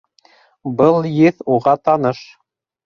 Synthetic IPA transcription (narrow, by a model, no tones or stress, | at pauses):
bɤlˠjɘθuʁɑt̪ɑnɤʃ